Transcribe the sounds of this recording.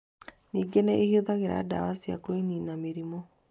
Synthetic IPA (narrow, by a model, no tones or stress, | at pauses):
niːɡenɛehioðaɣeɾa̰da̰wasia̰koiniːnameɾimɔ